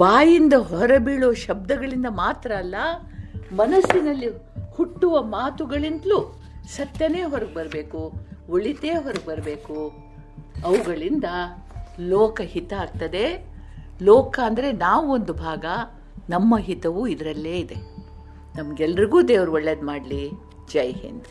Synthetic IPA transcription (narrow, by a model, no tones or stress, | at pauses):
baːjind̪ɐɦɔɾɐbiːɭoːʃɐb̚d̪ɐɡɐɭind̪ɐmaːt̪ɾɐːlːɐ | mɐnɐsːinɐlːi | huʈːuʋɐmaːt̪uɡɐɭint̪lu | sɐt̪jɐne̞ːɦɔɾɐɡ̚bɐɾɐbe̞ːkuoɭit̪eːɦɔɾɐɡ̚bɐɾɐbe̞ːku | ɐʋuɡɐɭind̪ɐlɔːkɐhit̪ɐaːɡ̚t̪ɐd̪e̞ | lɔːkɐːnd̪ɐɾe̞naːʋuond̪ubʱaːɡɐ | nɐmːɐɦit̪ɐʋuid̪ɐɾɐlːe̞ːid̪e̞ | nɐmɐɡɛlːɐɾiɡuːd̪eːʋɐɾuɔɭːeːd̪maːɖli | d͡ʒɐjɦḛn